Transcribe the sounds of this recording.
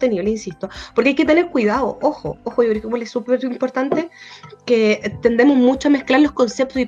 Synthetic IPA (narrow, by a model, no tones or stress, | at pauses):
t̪eniβleinsist̪o̞ppoɾkeajke̞t̪ene̞ɾkwiðaðo̰ʔoxo̰oxojokɾeokepwolesːupeɾimpoɾt̪ant̪e̞ket̪e̞nd̪emozmut͡ʃoamehklaɾlo̞sko̞nsep̚t̪osi